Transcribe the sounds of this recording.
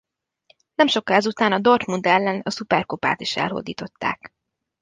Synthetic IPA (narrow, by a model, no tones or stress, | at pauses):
nɛmʃo̞kɒɛzut̪aːnɒd̪ort̪mund̪ɛlːɛnɒsupɛrkopa̰ːt̪iʃɛ̰lɦo̞̰d̪iːt̪o̞t̪ːa̰ːk